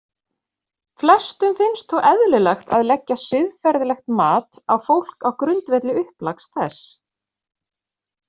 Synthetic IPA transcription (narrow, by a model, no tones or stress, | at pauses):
flɛst̪ʏmfɪnst̪θɔwʔɛðlʏlɛxt̪a̰ðlɛcːasʏðfɛɾðlɛxt̪maːt̪awfowl̥kawkɾʏnt̪vɛt̪lɪʏhplakst̪θɛs